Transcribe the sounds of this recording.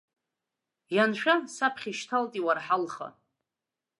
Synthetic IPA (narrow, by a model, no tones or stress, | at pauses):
janʃᶣasapʰχʲiʃtʰaltʼiwarħalχa̰